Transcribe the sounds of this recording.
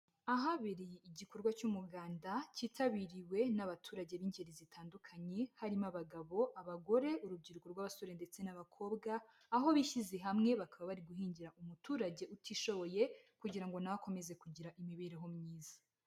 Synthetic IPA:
aɦaβiɾijiiɟiko̞ɾɡwacumubɡaːndaciːtʰaβiɾiwe̞naβatʰuːɾaɟe̞βiːɲɟeɾizitʰaːndukʰaɲe̞haɾimaβaɡaβo̞ʔaβaɡo̞ɾe̞uɾub̚ɟiːɾukoɾɡwaβasoɾende̞t͡se̞naβakʰo̞ːbɡaː | ɦo̞βiʃize̞ɦamŋe̞βakaβaβaɾiɡuɦiːɲɟiɾaʔumutuːɾaɟe̞ʔutiʃo̞βo̞je̞kuɟiɾaŋɡo̞naβako̞me̞ze̞kuɟiɾaʔimiβiɾeɦo̞mɲiːzḁ

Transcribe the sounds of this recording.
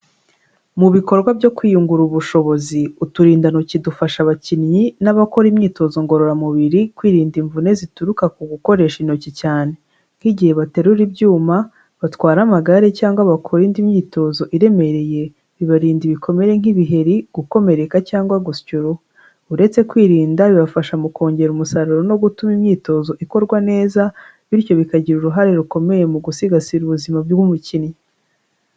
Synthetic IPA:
muβiko̞ɾɡwabjo̞kwiːjuŋɡuɾuβuʃo̞βo̞ziutuɾiːndanocidufaʃaβacinɲinaβako̞ɾimɲiːto̞zo̞ŋɡo̞ɾo̞ɾamuβiɾikwiːɾiːndiɱvune̞zituɾukakuɡuko̞ɾe̞ːʃinocicaːne̞ | ŋ̥hiɟihe̞βate̞ɾuɾibjuːma | βatwaːɾamaɡaɾecaːŋɡwaβakʰoɾindimɲiːto̞zo̞ʔiɾe̞me̞ɾe̞je̞ | βiβaɾiːndiβikʰo̞me̞ɾe̞ŋ̥iβiɦe̞ɾiɡ̥uko̞me̞ɾe̞kacaːŋɡwaɡuscuɾo | uɾe̞t͡se̞kwiːɾiːndaβiβafaʃamuko̞ːɲɟe̞ɾumusaɾuɾo̞no̞ɡutumimɲiːto̞zo̞ʔiko̞ɾɡwane̞ːza | βiɾjo̞βikaɟiɾuɾuɦaɾeɾuko̞me̞je̞muɡusiɡasiɾuβuzimabɡɡumucini

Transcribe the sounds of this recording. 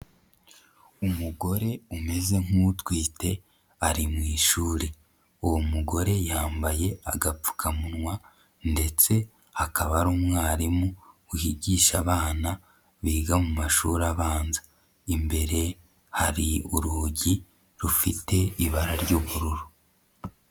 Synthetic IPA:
umuɡo̞ɾe̞ume̞ze̞ŋ̥utwiːte̞ | aɾimŋiːʃuːɾi | uwomuɡo̞ɾe̞jaːmbaje̞aɡap͡fu̥kʰamunwa | nde̞t͡se̞ | hakʰaβaɾuːmŋaːɾimuuhiɟiːʃaβaːna | βiːɡamumaʃṵɾaβaːnzḁ | imbe̞ɾe̞ | haɾiuɾuːɟi | ɾufite̞iβaɾaɾɟuːβuɾuɾu

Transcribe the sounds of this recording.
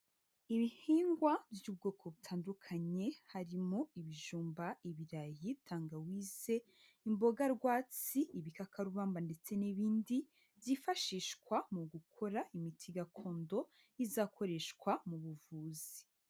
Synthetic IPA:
iβihiːŋɡwavjuːb̚ɡo̞ːkʰo̞βutʰaːndukʰaɲe̞haɾimoiβiʒuːmbaiβiɾajitʰaːŋɡawiːz̥e̞ | imbo̞ɡaɾɡwaːt͡siiβikakʰaɾuβaːmbande̞t͡se̞niβiːndi | zifaʃiːʃkwamuɡukʰo̞ɾaimitʰiɡakʰo̞ːndo̞ | izaːkʰo̞ɾe̞ʃkwamuβuvuːzi

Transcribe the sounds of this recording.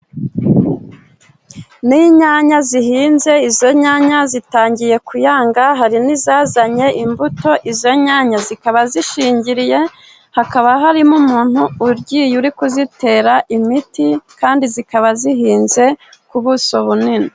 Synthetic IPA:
niɲaɲaziɦiːnze̞izo̞ɲaːɲazitaːɲɟije̞kujaːŋɡaɦaɾinizaːzaɲe̞ʔimbuto̞ʔizo̞ɲaːɲazikaβaziʃiːɲɟiɾije̞ | hakaβaɦaɾimumuːn̥huːɾɟiːjuɾikuzite̞ːɾaʔimitikaːndizikaβaziɦiːnze̞kuβuso̞βunini

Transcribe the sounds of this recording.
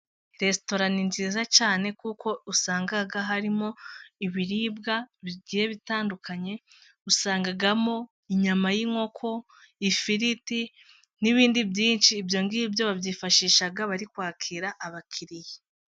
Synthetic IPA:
ɾe̞sto̞ɾaninziːzat͡ʃaːne̞kuːko̞usaːŋɡaɡaɦaɾimo̞iβiɾiːbɡaβiɟiːje̞βitaːndukʰaɲe̞ | usaːŋɡaɡamo̞ | iɲamajiŋo̞kʰo̞ | ifiɾiti | niβiːndibjiːnʃiːbjo̞ŋɡibjo̞βabjiːfaʃiːʃaɡaβaɾikwaːkʰiːɾaʔːβakʰiɾije

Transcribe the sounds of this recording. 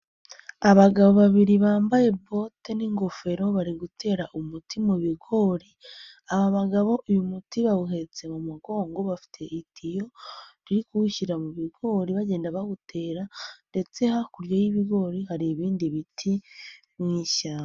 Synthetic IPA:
aβaɡaβo̞βaβiɾiβaːmbaje̞bo̞te̞niŋɡo̞fe̞ɾo̞βaɾiɡutʰe̞ːɾaʔumutimuβiɡo̞ːɾi | aβaβaɡaβo̞ʔujumutiβaβuɦe̞t͡se̞mumuɡo̞ːŋɡo̞βafi̥tʰe̞ʔitʰijo̞ɾiɾikuuçiɾamuβiɡo̞ːɾiβaɟe̞ːndaβaɡutʰe̞ːɾande̞t͡se̞hakuɾjojiβiɡo̞ːɾihaɾiːβiːndiβitʰi | mŋiːʃaːma

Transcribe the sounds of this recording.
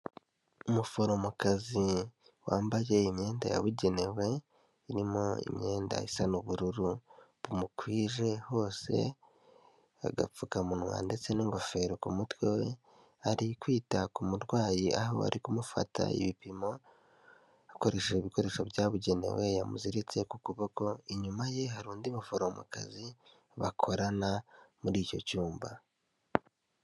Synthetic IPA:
umufo̞ɾo̞mukazi | waːmbaje̞imɲe̞ːnda̰ja̰βuɟe̞ne̞we̞ | iɾimo̞ḭmɲe̞ːnda̰isanuβuɾuɾuβumukwiːʒe̞ho̞ːse̞̰ | aɡa̰p͡fukamunwa̰ːnde̞t͡se̞niŋɡo̞fe̞ɾokumutwewe | aɾikwiːtakumuɾɡwaːjiʔaho̰a̰ɾikumufa̰ta̰ḭβipimo̞ | ako̞ɾe̞ʃeiβiko̞ɾe̞ːʃoβjaːβuɟe̞nḛwejamuziɾit͡se̞kukuβoko̞iɲumaje̞ɦaɾuːndimufoɾomṵka̰zi | βakʰo̞ɾanamuɾiːco̞̰cuːmba

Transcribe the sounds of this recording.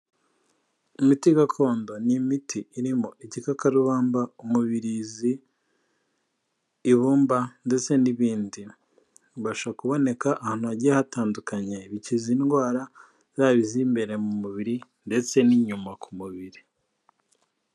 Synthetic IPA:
imitiɡakʰo̞ːndo̞nimitʰiːɾimo̞ʔicikakaɾuβaːmbaumuβiɾizi | βuːmbande̞t͡se̞niβiːndi | βaʃakuβo̞ne̞kaʔːhaːnhuaɟiahataːndukaɲeβiciziːnɡwaːɾa | zaːβizimbe̞ɾe̞mumuβiɾi | nde̞t͡se̞niɲumakʰumuβiɾi

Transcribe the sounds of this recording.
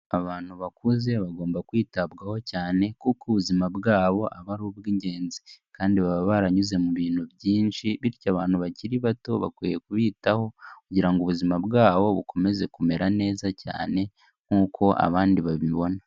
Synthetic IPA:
aβaːn̥huβakuze̞βaɡo̞ːmbakwiːtabɡaho̞caːne̞kukuβuzimabɡaːβo̞ʔaβaɾuβɡiːɲɟe̞ːnzi̥kaːndiβaβaβaɾaɲuze̞muβiːn̥huβjiːnʃiβiɾicaβaːn̥huβaciɾiβato̞βa̰kwije̞kuβiːtaho̞kuɟiɾaŋɡuβuzimabɡaːβo̞βukʰo̞me̞ze̞kume̞ɾane̞ːzaca̰ːne̞ | ŋ̥uːkʰo̞ʔa̰βaːndiβaβiβo̞na

